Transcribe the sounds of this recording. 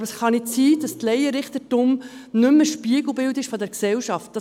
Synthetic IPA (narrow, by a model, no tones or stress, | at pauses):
bəsχɑnɪsiːd̥ɑst̪lɛjəɾɪχtətʊmnʏməʃpiəɡl̩bɪwtɪʃfɔdɛɾksɛwʃɑft̚d̥ɑ